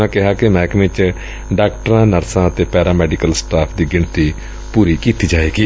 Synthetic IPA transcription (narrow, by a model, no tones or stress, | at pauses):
ãːkɪɦaːkɪmɛ̃ːkʋɪt͡ʃ | ɖaːk̚ʈəɾãːnəɾsãːət̪eːpɛːɾaːmɛːɖɪkəlsʈaːpʰd̪iːɡɪɳt̪iː | puːɾiːkiːt̪iːd͡ʒaːeːɡiː